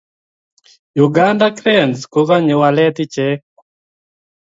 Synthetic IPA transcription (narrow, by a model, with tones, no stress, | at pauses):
ju˨ɡandakɾɛ˦˨nsko˦ka˦ɲe˨wa˨lɛ˦t̪ɪ˦t͡ʃɛ˦